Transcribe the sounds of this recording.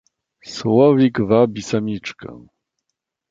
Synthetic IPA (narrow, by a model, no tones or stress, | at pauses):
swɔvʲikvabʲisamʲit͡ʂkɛ̰̃